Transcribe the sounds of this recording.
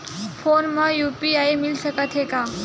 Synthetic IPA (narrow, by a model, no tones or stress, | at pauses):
fonməjupiajmilɕəkat̪ɦeka